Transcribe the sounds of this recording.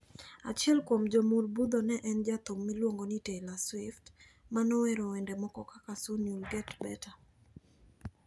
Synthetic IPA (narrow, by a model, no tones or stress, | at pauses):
a̰t͡ʃiɛlkwomd͡ʒomulbud̪ɔnɛʔɛnd͡ʒat̪omːilwoŋɡonɪtelaswɪft | manɔwɛɾɔwɛndɛmɔkɔkakasunjulɡɛtbɛta